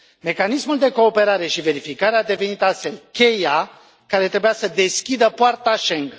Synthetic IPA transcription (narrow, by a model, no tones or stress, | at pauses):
me̞kanismuld̪e̞ko̞ːpe̞ɾaɾe̞ʃive̞ɾifikaɾead̪e̞ve̞nit̪ast̪fe̞lkʲe̞ja | kaɾe̞t̪ɾebujasəd̪e̞skʲid̪əpoart̪aʃe̞ŋɡ